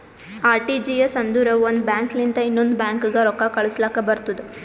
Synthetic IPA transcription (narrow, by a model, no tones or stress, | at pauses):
aːɾʈid͡ʒijɐsɐnd̪uɾɐʋond̪ubjaːŋknind̪ɐinːond̪ubjaːŋkiɡɐɾɔkːakɐɭuslaːkɐbɐɾt̪ud̪e